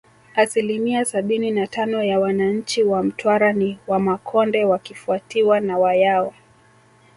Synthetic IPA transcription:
asilimiasaɓininatʰanɔjawanaɲ̩t͡ʃiwam̩tʰwaɾaniwamakʰɔndɛwakifuatiwanawajawa

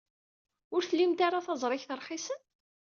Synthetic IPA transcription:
ʊɾθəlːimt̪aɾaθɑzˤɾˤɪçθəɾˤχisən

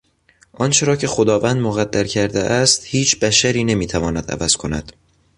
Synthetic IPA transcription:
ʔɒnt͡ʃʰe̞ɾɒːcʰe̞xod̪ɒːvænd̪moɣæd̪ːæɾcʰæɾd̪eʔæst̪hiːt͡ʃʰb̥æʃæɾiːne̞miːt̪ʰævɒːnæd̪æ̰væz̥kʰo̞næ̰d̪̥

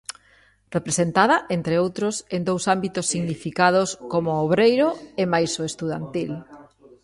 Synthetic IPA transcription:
repɾesent̪að̞ɐʔent̪ɾeowt̪ɾʊsend̪owsambit̪ʊsːiɣnifikað̞oskomʊoβ̞ɾejɾoemajsoest̪uðant̪il

